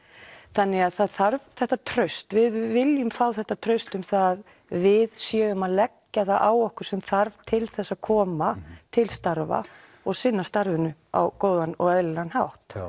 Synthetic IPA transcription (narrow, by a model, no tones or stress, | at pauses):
θanːɪaðθaðθaɾvθɛht̪ːat̪ʰɾœɥst̪vɪðvɪljʏmfaːwθɛht̪ːat̪ʰɾœɥst̪ʏmθaðːð | vɪðsjɛːʏmaðlɛcːaθaʔawɔhkʏɾ̥sɛmθaɾv̥t̪ʰɪlθɛsːaðkʰɔːmat̪ʰɪlst̪aɾva̰ | ɔɣsɪnːast̪aɾvɪnʏa̰wkoːwðanɔ̰ɣɛðlɪlanhawht̪